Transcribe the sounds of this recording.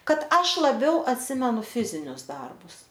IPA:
ˈkɐt ˈɐʃ lˠɐˈbʲɛʊ ɐtʲˈsʲɪmʲɛnʊ ˈfʲɪzʲɪnʲʊs ˈdɐrbʊs

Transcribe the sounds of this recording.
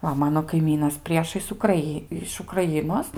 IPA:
ˈʋɐ ˈmɑːnoː kɐɪˈmʲiːnɐs ˈpʲrʲiɛʃɐɪs ʊkrɐˈiː ɪʃ ʊkrɐˈjɪnoːs

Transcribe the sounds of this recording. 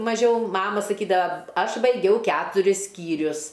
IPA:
mɐˈʒʲɛʊ ˈmɑːmɐ sɐˈkʲiːdɐʋɐ ˈɐʃ bɐɪˈɡʲɛʊ ˈkʲæːtʊrʲɪs ˈsʲkʲiːrʲʊs

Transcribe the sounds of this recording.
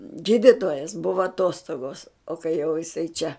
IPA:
ˈɡʲiːdʲɪtoːjɛs ˈbʊʋɐ ɐˈtoːstoːɡoːs oː kɐɪ jɛʊ jɪˈsɐɪ t͡ʃʲɛ

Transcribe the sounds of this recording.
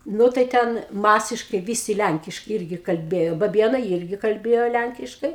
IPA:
ˈnʊ tɐɪ ˈtʲɛn ˈmɑːsʲɪʃkɐɪ ˈʋʲiːsʲɪ ˈlʲæŋʲkʲɪʃkɐɪ ˈɪrʲɡʲɪ kɐlʲˈbʲeːjoː bɐˈbʲiɛnɐɪ ˈɪrʲɡʲɪ kɐlʲˈbʲeːjoː ˈlʲæŋʲkʲɪʃkɐɪ

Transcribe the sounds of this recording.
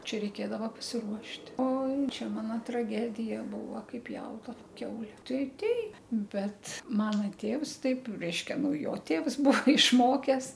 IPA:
ˈt͡ʃʲɛ rʲɛɪˈkʲeːdɐʋɐ pɐsʲɪˈruɔʃʲtʲ ˈoːɪ ˈt͡ʃʲɛ ˈmɑːnoː trɐˈɡʲæːdʲɪjɛ ˈbuːʋɐ ˈkɐɪp ˈpʲjɛʊdɐʋɐ ˈkʲɛʊlʲɛ ˈtɐɪ ˈtʲɛɪp ˈbʲɛt ˈmɑːnɐ ˈtʲeːws ˈtɐɪp ˈrʲɛɪʃʲkʲɛ ˈnʊ ˈjoː ˈtʲeːws ˈbuɔ ɪʃˈmoːkʲɛs

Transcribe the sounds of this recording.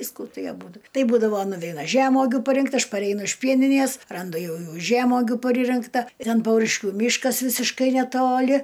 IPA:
ˈʋʲiːskʊ ˈtɐɪ ɐˈbuːdʊ ˈtɐɪ ˈbuːdɐʋoː nʊˈʋʲɛɪnɐ ˈʒʲæːmoːɡʲʊ pɐˈrʲɪŋkt ˈɐʃ pɐˈrʲɛɪnʊ ɪʃ ˈpʲiɛnʲɪnʲiɛs ˈrɐndʊ ˈjɛʊ ˈjuː ˈʒʲæːmoːɡʲʊ pɐˈrʲɪrʲɪŋktɐ ˈtʲɛn ˈpɐʊrʲɪʃʲkʲʊ ˈmʲiːʃkɐs ˈʋʲɪsʲɪʃkɐɪ nʲɛˈtoːlʲɪ

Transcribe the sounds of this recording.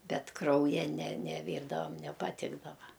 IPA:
ˈbʲɛt ˈkrɐʊjɛ nʲɛ nʲɛˈʋʲiːrdɐʋɐm nʲɛpɐˈtʲɪɡdɐʋɐ

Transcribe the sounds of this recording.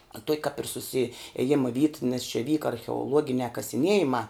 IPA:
ɐ tuɔkʲ kɐp ɪr sʊsʲɪeːˈjɪmɐ ʋʲiːt nʲɛs t͡ʃʲɛ ˈʋʲiːkɐ ɐrʲxʲɛoːˈlˠuɔɡʲɪnʲæː kɐsʲɪˈnʲiɛjɪmɑː

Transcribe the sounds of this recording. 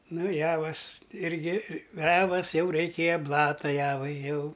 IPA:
ˈnʊ ˈjæːʋɐs ˈɪrʲɡʲɪ ˈjæːʋɐs ˈjɛʊ rʲɛɪˈkʲeːjoː ˈblˠɑːtɐ ˈjæːʋɐɪ ˈjɛʊ

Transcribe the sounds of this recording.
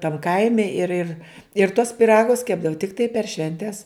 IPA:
tɐm ˈkɐɪmʲɛ ɪr ɪr ɪr tuɔs pʲɪˈrɑːɡʊs ˈkʲæːbdɐʋʊ tʲɪkˈtɐɪ pʲɛr ˈʃʲʋʲɛnʲtʲɛs

